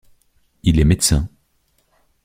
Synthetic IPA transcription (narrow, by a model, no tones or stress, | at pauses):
ilɛmet̪sɛ̃